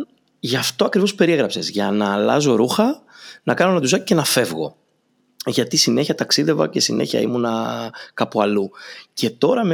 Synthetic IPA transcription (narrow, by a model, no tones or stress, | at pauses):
ʝɐft̪o̞ɐkɾivo̞spe̞ɾieɣɾɐpse̞zʝɐnɐlɐ̰zo̞ɾuxɐ | nɐkɐno̞nɐt̪uzɐce̞nɐfe̞vɣo̞̰ | ʝɐt̪isine̞çiɐt̪ɐksiðe̞vɐ̰ce̞sine̞çɐ̰ḭmunɐkɐpuɐlucʰe̞t̪o̞ɾɐm